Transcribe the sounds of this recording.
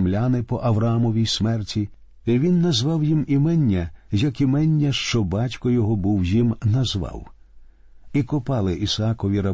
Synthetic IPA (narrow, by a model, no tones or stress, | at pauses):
mlʲanɪpɔʔɐʋɾɐɑmɔʋʲijsmɛrtʲʰi | iʋʲinːɐzʋɑwjimimɛnʲːɐjɐkimɛnʲːɐʃt͡ʃɔbɑtʲkɔjɔɦɔbuwjimnɐzʋɑ̰w | ikɔpɑlˠɪʔisɑkɔʋʲiɾɐ